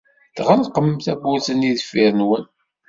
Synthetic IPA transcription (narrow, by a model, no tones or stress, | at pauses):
θʁəlqəmθæbuθəniðfiɾnwən